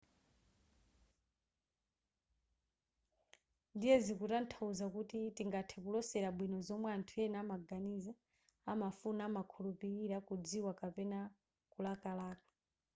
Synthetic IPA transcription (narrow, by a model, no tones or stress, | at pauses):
ndijɛzikutan̩tʰauzakutitiŋɡatʰɛkulɔsɛɾabwinɔzɔmwɛantʰujɛnamaɡaniza | amafunamakʰulupiɾiɾakud͡ziwakapɛna | kulakalaːkḁ